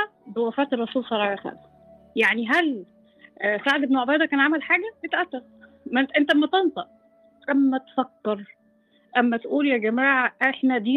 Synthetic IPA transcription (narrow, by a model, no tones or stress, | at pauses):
æ | bewæfæːt̪erˤːɑsuːlsˤɑɾˤɑːjɑxæ̰msæ | jaʕniɦæl | saʕd̪ebnoʕobæjd̪ækæːnʕamælħaːɡæet̪ʔæt̪ːɑɾ | mæʔent̪æmæt̪ent̪ˤɑʔ | ʔæmːæt̪fækːɑɾˤ | ʔæmːæt̪ʔuːljæɡæmæːʕʔæħnæd̪iː